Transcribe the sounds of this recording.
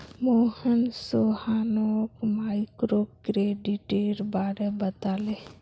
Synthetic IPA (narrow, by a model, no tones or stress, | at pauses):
moːhənsohaːnokmaːikɾoːkɾeːɖiʈeːɾbaːɾebət̪aːle